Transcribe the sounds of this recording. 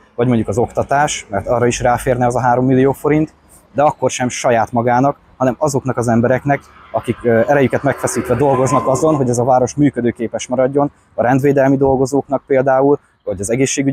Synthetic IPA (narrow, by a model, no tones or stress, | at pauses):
vɒɟmo̞ɲɟukɒzo̞kt̪ɒt̪aːʃmɛrt̪ɒːrːɒiʃraːfeːrnɛɒzɒɦaːɾo̞mːilːijoːfo̞ɾint̪ | d̪ɛɒkːo̞rʃɛmʃɒjaːt̪mɒɡaːnɒk | hɒnɛmɒzo̞knɒkɒzɛmbɛɾɛknɛkɒkikɛɾɛjykɛt̪mɛkfɛsiːt̪ʋɛd̪o̞lɡo̞znɒkɒzo̞nɦo̞ɟɛzɒvaːɾo̞ʃmyːkød̪øːkeːpɛʃmɒɾɒɟːo̞n | ɒɾɛnd̪ʋeːd̪ɛlmid̪o̞lɡo̞zoːkn̪ɒk̚peːld̪aːul | vɒɟɒzɛɡeːʃːeːɡy